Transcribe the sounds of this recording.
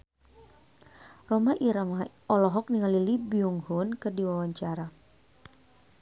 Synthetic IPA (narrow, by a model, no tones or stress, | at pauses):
rɔmaʔiɾama | ɔlɔɦɔk̚niŋalilibiuŋhunkɨrdiwawaɲt͡ʃaɾa